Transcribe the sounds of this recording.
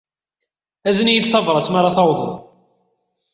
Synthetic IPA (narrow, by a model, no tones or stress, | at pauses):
æzənjid̪θɑvɾˤɑt͡sːmaɾˤɑθɑwðˤə̰ðˤ